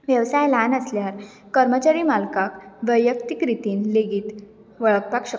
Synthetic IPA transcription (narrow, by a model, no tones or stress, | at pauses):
ʋjəʋsajlanəsljaɾ | kəɾmət͡ɕaɾiːmalkakʋəjːəkt̪ikɾit̪iːnleɡiːt̪ | ʋəɭək̚pakɕə